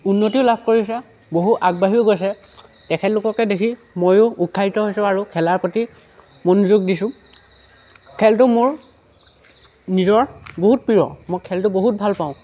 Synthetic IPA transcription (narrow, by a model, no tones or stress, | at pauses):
unːotiʊlab̚ʱkoɹiɔs̬a | boɦuʔaɡ̚baɦiʊɡojs̬ɛ | tɛkʰɛtlʊkɔkɛdekʰi | mojʊukʰːaitɔɦojsʊ̃aɹukʰɛlaɹpɹoti | monuzuɡ̚disʊ̃ | kʰɛltʊmʊɹ | nizɔɹboɦut̚pɹiɹɔ̰mojkʰɛltʊboɦut̚bʱalpaʊ̃